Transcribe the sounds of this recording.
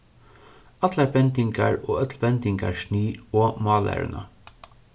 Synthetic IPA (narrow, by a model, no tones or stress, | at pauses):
ɑt̪læɾpɛnt̪ɪŋkɑ̰ɹoːœt̪lpɛnt̪ɪŋkɑ̰ɹʃniːoːmɑːlæ̰ɹʉ̰nɑ̰